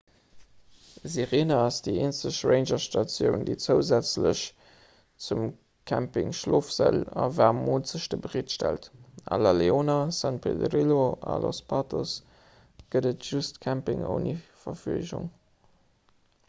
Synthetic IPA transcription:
ziʁeːnɐɑsdieːnt͡səʃʁeɪnʒɐʃtɑt͡sjəʊndet͡səʊzæt͡sləɕ | t͡sum | kʰæmpɪ̰ŋʃloːfz̥ə̰lɑ̰vaːʁmoːnt͡səʃdəbəʁiətʃtæ̰ltʔɑ̰lɑleoːnɐsɑnpʰḛdʁiloɑ̰lʔo̰spʰɑtʰos | ɡ̥ədətʒ̥ustkʰæmpɪ̰ŋə̰nifɐfyəʒʊ̰ŋ

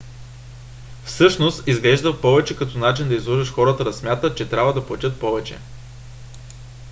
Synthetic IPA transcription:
fsɤʃnost̪izɡlɛʒd̪əfpɔvɛt͡ʃɛkɐt̪ɔnat͡ʃind̪ɐizlˠɔʒəʃxɔɾət̪əd̪ɐsmʲjat̪ət̪̚t͡ʃɛt̪ɾʲabvəd̪ɐplˠɐtʲɤt̪̚pɔvɛt͡ʃɛ̰

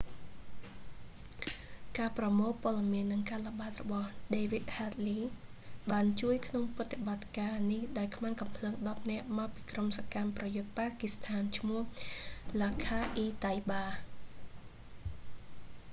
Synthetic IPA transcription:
kaːprɑmoːlpŏəɗɑmiənːɨŋkaːlŏɓaːt̪̚rɔɓɑhɗeːʋit̪̚hat̪̚liːɓaːnt͡ɕuəjkʰnoŋprɨt̪ʰːeɓat̪̚kaːnihɗaɛlkʰmaːŋkɑmpʰləːŋɗɑp̚nɛ̆əʔmaɔpiːkromsaːkamprɑjʊt̪̚paːkist̪ʰaːnt͡ɕʰmʊəhlaːkʰaːʔiːt̪ajɓaː

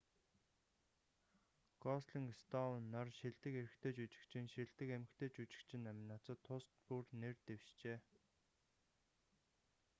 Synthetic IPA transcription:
ɡɔsɮiŋst̪ɔnːɔrʃiɮt̪ɘ̆keɾɘ̆xt̪ʰeːt͡ɕut͡ɕɪ̥̆kt͡ɕʰɪ̆nʃiɮt̪ɘ̆kæmɘ̆kt̪ʰeːt͡ɕut͡ɕɪ̥̆kt͡ɕʰɪ̆nːæmnat͡sə̆t̪ʰːʊst̪purnert̪ewʃt͡ɕeː

